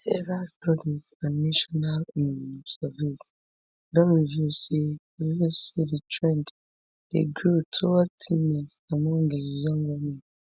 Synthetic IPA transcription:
sezastɔdizãnːaʃɔnalɛsɛvis | dɔ̃nwivjusewivjusiditʰɹɛ̃nd | d̥eɡɹutʰotʰĩnɛsamɔ̃ŋejɔ̃ŋɡwimɛ̃n

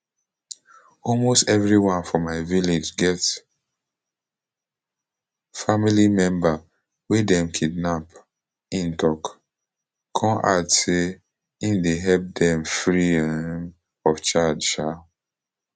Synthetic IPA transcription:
ɔlmostɛvɹiwãnfɔmaɪviled͡ʒɡɛt | familimɛ̃mba | wedɛ̃mkʰid̚nap | ĩntʰɔk | kʰɔ̃nʔadse | ĩndeɦɛlp̚dɛ̃mfɹiɛ | ɔft͡ʃadʃa

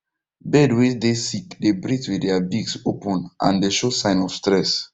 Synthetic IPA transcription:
bɛdwesdesikdebɹitwiddɛabiɡsopɔ̃nʔã̰ndeʃosãɪ̃nɔfstɹɛs

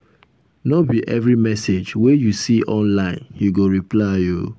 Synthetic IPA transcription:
nɔbiʔɛvɹimɛsed͡ʒwejusiʔɔ̃nlãɪ̃nhiɡoɹiplaɪo̰

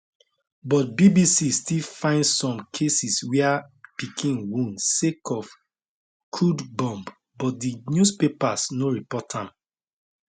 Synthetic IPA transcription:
bɔt̚bibisistilfãɪ̃ndsɔ̃mkʰesiswiapikʰĩnwũnsekʰɔf | kʰudbɔ̃mb | bɔt̚dinjuspepasnoɹipɔtʰãm

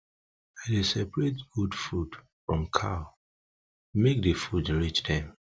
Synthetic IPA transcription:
adesɛpɹet̚ɡudfud | fɹɔ̃mkʰa | mek̚dəfudɹit͡ʃdɛ̃m

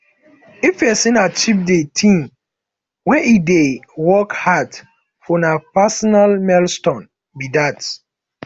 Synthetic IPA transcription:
ifjɛsĩnat͡ʃivdetʰĩm | wɛʔidewɔkhad | fɔnapasɔnalmɛlstɔ̃n | bidat

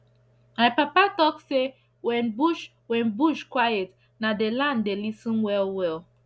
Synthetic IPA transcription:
majpapatɔkse | wɛ̃nbuʃ | wɛ̃nbuʃkwajet | nadelãndelisĩnwɛlwɛl

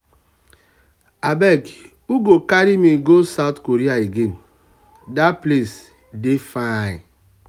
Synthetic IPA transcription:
abɛk | uɡokaɾimiɡosaʊtkoɾiaeɡen̩ | daples | defaɪ

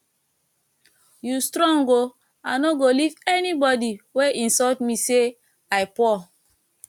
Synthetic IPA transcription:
justɾɔ̃ŋɡo | ãnoɡolivɛnibɔdiweʔĩnsɔtmise | ajpɔ

